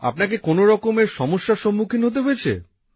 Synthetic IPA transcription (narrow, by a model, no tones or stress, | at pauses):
a̰pnakekonoɾɔkomeɾʃɔmoʃːaʃomːukʰinɦot̪̬eɦojet͡ɕʰḛ